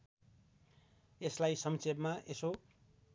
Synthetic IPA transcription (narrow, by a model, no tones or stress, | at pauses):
eslajsʌmsebmaʔeso